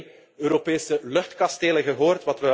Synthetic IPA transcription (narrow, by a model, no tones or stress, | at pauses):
øːɾopeːsəlɵxtkɑsteːləɣəɦoːrtʋɑtʋə